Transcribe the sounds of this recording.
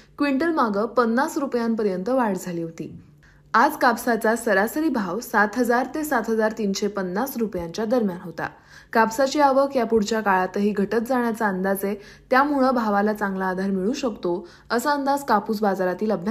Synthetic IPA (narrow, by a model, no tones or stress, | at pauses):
kʋiɳʈəlmaɡəpənːasɾupjãmpəɾjənt̪əʋaɽd͡zʱaliːɦot̪ḭː | ad͡zkapsat͡sasəɾasəɾiːbʱaʋsat̪ɦəd͡zaɾt̪esat̪ɦəd͡zaɾt̪iːnɕepənːasɾupjãɲt͡ɕjad̪əɾmjanɦot̪a̰ | kapsat͡ɕiːaʋəkjapuɽt͡ɕjakaɭat̪əɦiːɡʱəʈət̪d͡zaɳ̃jat͡saənd̪ad͡ze | t̪jam̤uɭəbʱaʋalat͡sãŋɡlaːd̪ʱaɾmiɭũɕəkt̪o | əsəənd̪ad͡zkapuːs̬bad͡zaɾat̪iːləbʱa